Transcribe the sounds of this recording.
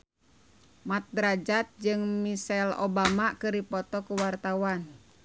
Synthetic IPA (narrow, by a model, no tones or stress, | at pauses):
mat̪̚dɾad͡ʒat̪̚d͡ʒɨŋmisɛlo̰bamakɨripɔt̪ɔkuwart̪awan